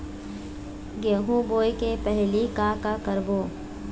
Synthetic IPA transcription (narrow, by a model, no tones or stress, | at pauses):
ɡeːɦũboːjkepɛɦlikaːkakəɾboː